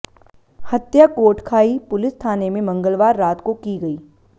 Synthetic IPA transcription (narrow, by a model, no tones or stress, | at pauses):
hɐt̪jakoːɾʈkʰaːipʊlɪst̪ʰaːnemẽmɐ̃ŋɡəlʋaːɾːaːt̪kokiɡɐiː